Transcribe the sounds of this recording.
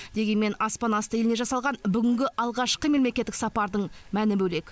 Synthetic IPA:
d̪e̞ɡʲe̞nme̞nɑspɑnɑst̪əjelɪne̞ʒɑsɑlˠʁɑnbʏɡʲɪŋɡʲɪʔɑlˠʁɑʃqəme̞lmle̞kʲet̪ːɪksɑpɑɾd̪əɴmænɪbɵle̞k

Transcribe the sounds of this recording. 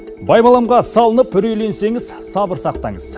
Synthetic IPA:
bɑjbɑlˠɑmʁɑsɑlˠənəpʏɾejle̞nse̞ŋɪz̥ | sɑbəɾsɑqt̪ɑɴəz

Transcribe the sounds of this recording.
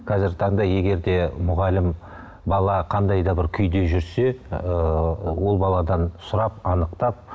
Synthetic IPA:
qʰɑzɪɾt̪ʰɑɴd̪ɑje̞ɡʲe̞ɾd̪e̞mʊʁɑlɪm | bɑlˠɑqʰɑnd̪ɑjd̪ɑbɪɾkʲʰʏjd̪e̞ʒʏɾse̞ | wo̞lˠbɑlˠɑd̪ɑnsʊɾɑp̚ɑnəqt̪ɑp̚

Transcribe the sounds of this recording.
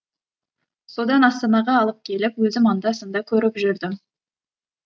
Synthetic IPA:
so̞d̪ɑnɑst̪ɑnɑʁɑːlˠəp̚kʲʰe̞lɪpwɵzɪmɑnd̪ɑsənd̪ɑkʲʰɵɾɪpʒʏɾd̪ɪm

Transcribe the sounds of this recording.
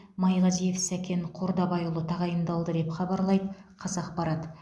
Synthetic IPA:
mɑjlˠɑzije̞fsækʲe̞ɴqʰo̞ɾd̪ɑbɑjulˠət̪ʰɑʁɑjəmd̪ɑlˠd̪əd̪e̞pχɑbɑɾlˠɑjd̪əqʰɑsɑqpɑɾɑt̪

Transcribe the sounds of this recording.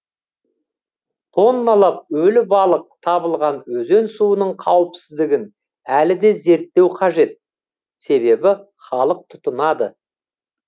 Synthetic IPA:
t̪ʰo̞nːɑlˠɑp̚ɵlɪbɑlˠəq̚t̪ʰɑbəlˠʁɑnwɵze̞nsuənəɴqʰɑwəpsɪzd̪ɪɡʲɪn | ælɪd̪e̞ze̞ɾt̪ːe̞wqʰɑʒe̞t̪̚ | se̞βe̞bɪ | χɑlˠəq̚t̪ʰʊ̥t̪ənɑd̪ə

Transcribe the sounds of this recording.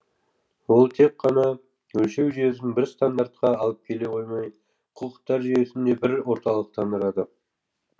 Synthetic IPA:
wo̞lˠt̪ʰe̞kqːɑnɑ | wɵlʃe̞wʒijezɪnbɪɾst̪and̪aɾt̪̚qɑɑlˠəp̚kʲʰe̞le̞qʰo̞jmɑj | qʰuqə̥qt̪ːɑɾʒijesɪnd̪e̞bɪɾwo̞ɾt̪ɑlˠəq̚t̪ʰɑnd̪əɾɑd̪ə

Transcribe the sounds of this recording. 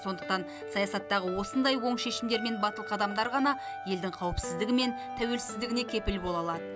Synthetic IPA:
so̞nd̪əq̚t̪ɑn | sɑjɑsɑt̪ːɑʁəwo̞sənd̪ɑjwo̞ɴʃe̞ʃɪmd̪e̞ɾme̞nbɑt̪əlˠqʰɑd̪ɑmd̪ɑɾʁɑnɑ | je̞ld̪ɪŋqʰɑwəpsɪzd̪ɪɡʲɪme̞n | t̪ʰæwe̞lsɪzd̪ɪɡʲɪne̞kʲʰe̞pɪlbo̞lˠɑlˠɑd̪ə

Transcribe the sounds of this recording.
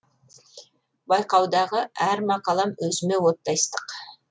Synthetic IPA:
bɑjqɑwd̪ɑʁəæɾmɑqɑlˠɑmwɵzɪme̞wo̞t̪ːɑjst̪əq

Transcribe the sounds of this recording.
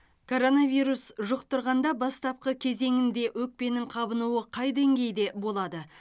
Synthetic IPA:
kʰo̞ɾo̞navʲijɾusʒʊqt̪ʊɾʁɑnd̪ɑbɑst̪ɑp̚qəkʲʰe̞ze̞ŋɪnd̪e̞ʔwɵk̚pe̞nɪŋqʰɑbənuwəqʰɑjd̪e̞ŋɡʲe̞jd̪e̞bo̞lˠɑd̪ə

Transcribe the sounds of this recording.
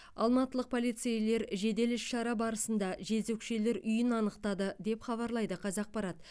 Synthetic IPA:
ɑ̰lˠmɑt̪əlˠəq̚pʰo̞lijt̪sejle̞ɾʒe̞d̪e̞lɪʃʃɑɾɑbɑɾəsənd̪ɑʒe̞zekʃe̞le̞ɾʏjɪnɑnəqt̪ɑd̪əd̪e̞pχɑβɑɾlˠɑjd̪əqʰɑzɑq̚pɑɾɑt̪

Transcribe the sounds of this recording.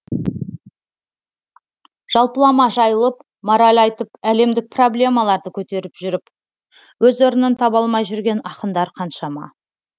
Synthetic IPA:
ʒ̥ɑlˠpəlˠɑmɑʒɑjəlˠəp | moɾalʲɑjt̪əpæle̞md̪ɪk̚pʰro̞blʲe̞mɑlˠɑɾd̪əkʲʰɵt̪e̞ɾɪpʒʏɾɪp | wɵzoɾənənt̪ʰɑbɑlˠmɑjʒʏɾɡʲe̞nɑqənd̪ɑɾqʰɑnʃɑmɑ̰

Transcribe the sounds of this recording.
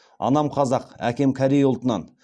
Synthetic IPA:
ɑ̰nɑmqʰɑzɑqæ̰kʲe̞mkʲʰæɾejʊlˠt̪ənɑ̰n

